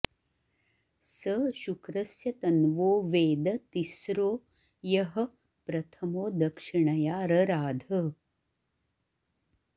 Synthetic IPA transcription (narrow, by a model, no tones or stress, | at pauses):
sɐʃukɾɐsjɐt̪ɐnʋoːʋeːd̪ɐt̪isɾoː | jɐɦɐ̆ | pɾɐt̪ʰɐmoːd̪ɐkʂiɳɐjaːɾɐɾaːd̪ʱɐ